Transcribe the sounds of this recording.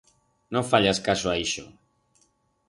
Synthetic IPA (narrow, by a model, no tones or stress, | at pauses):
nofaʎaskasoaiʃo̰